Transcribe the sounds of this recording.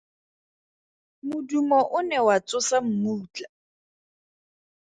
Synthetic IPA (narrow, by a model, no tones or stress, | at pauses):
mʊdumɔʔʊnɛwat͡sʼʊsam̩muːt͡ɬʼa